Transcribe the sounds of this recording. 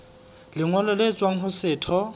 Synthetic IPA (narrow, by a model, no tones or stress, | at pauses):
lɪŋwalɔlet͡swaŋ̩ɦʊsɪːtʰɔ